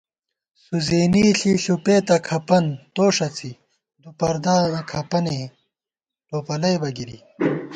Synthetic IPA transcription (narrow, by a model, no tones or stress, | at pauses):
suzeːniːɬiɬupeːt̪ɐkʰɐpɐnt̪oːʂɐt͡si | d̪upɐɾd̪aːɐkʰɐpɐne | ʈoːpɐlɐjbɐɡiɾḭ